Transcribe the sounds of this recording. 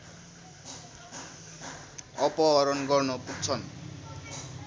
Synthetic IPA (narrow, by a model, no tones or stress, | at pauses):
ʌpʌʌɾʌnɡʌrnʌpuk̚t͡sʰʌn